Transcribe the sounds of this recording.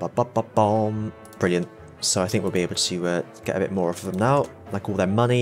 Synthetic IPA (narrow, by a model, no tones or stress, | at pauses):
b̥ʌb̥ʌ̥ʌb̥ɑ̃m | b̥ɹɪljə̃nʔ | soʊaɪθɪ̃ŋkwilˠbieɪbl̩ˠtʰəʌɡ̥ɛ̰ɾə̰bɪ̰ʔ̚mɔːɹʌvəvðə̃mnaʊ | laɪkɔːlˠðəmʌni